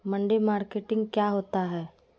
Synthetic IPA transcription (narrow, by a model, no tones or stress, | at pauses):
mɐ̃ɳɖemaːɾkeːʈɪ̃ŋɡkjaːɦoːt̪aɦɛː